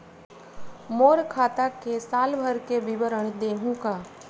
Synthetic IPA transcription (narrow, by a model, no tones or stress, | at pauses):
moːɾkʰaːt̪akesaːlbʱəɾkebɪʋəɾəɳ̃d̪eːɦũkaː